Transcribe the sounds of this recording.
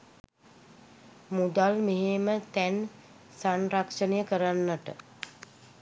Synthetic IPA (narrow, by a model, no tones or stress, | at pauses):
mud̪almeɦemət̪æn | sanrakʂənəjəkəɾanːəʈə